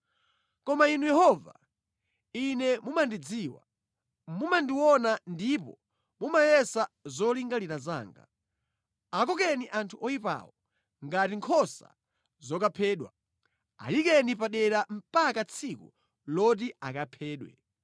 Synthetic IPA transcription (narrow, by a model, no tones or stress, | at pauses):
kɔmainujɛhɔva̰ | inɛmumandid͡ziwa̰ | mumandiwɔnandipɔ̰ | mumajɛsazɔliŋɡaliɾaza̰ːŋɡa̰ | akɔk̬ɛniʔantʰuɔipa̰ːwɔ | ŋɡatiŋkʰɔsa̰ | zɔkapʰɛːɗwa̰ | a̰jikɛnipaɗɛɾam̩pakat͡sʰikṵ | lɔt̬iakapʰɛːɗwɛ̰